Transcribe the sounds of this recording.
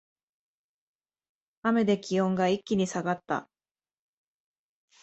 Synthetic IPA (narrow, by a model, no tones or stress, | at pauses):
ame̞d̪e̞kʲiõ̞ŋɡaikʲːiɲ̟isaɡat̪ːa̰